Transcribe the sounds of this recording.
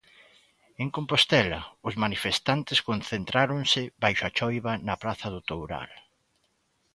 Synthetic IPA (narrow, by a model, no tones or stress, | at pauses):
eŋkompost̪ɛlɐʊszmanifest̪ant̪ɪskonθent̪ɾaɾʊŋnsɪβajʃʊat͡ʃɔjβɐnɐpɾaθɐðʊt̪owɾa̰l